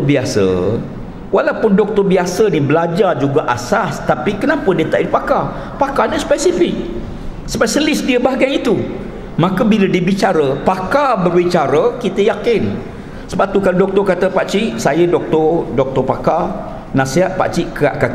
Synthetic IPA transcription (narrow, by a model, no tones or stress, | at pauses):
biasə̰ | walawpʊndɔk̚t̪ɔbiasənibəlad͡ʒard͡ʒuɡaʔasast̪apikənapʊndiət̪aʔipaka | pakanəspɛsifɪk̚ | səbasəlɪsdiəbaɡajit̪u | mãkəbilədibit͡ʃaɾəpakabərbit͡ʃaɾəkit̪əjakɪn | səbat̪ukaladɔk̚t̪ɔkat̪əpaʔt͡ʃiʔsajədɔk̚t̪ɔdɔk̚t̪ɔpaka | nãseɦaʔ̪̚pa̰ʔt͡ʃiʔkəa̰ʔkak